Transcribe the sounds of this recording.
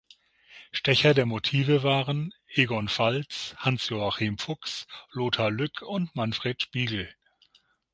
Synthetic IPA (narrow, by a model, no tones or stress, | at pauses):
ʃtɛçɐdeːɐmotʰiːvəvaːʁənʔeːɡɔnfalt͡shansjoaχiːmfʊksloːtʰɐlʏkʰʊntmanfʁ̥eːtʃpiːɡl̩